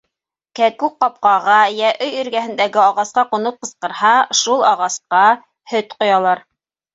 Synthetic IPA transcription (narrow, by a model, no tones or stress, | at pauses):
kækʉq̚qːɑp̚qɑʁɑjæʔɵjɵ̆ɾɡæhɘ̆nd̪æɡɘɑʁɑsqɑqŏnɤp̚qɤ̆sqɤ̆ɾhɑʃulˠɑʁɑsqɑ | hɵt̪qŏjɑlˠɑɾ